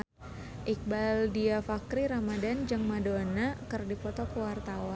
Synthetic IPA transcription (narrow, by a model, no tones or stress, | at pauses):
ʔik̚baldiafakɾiɾamadand͡ʒɨŋmadonakərdipɔt̪ɔkəwart̪awa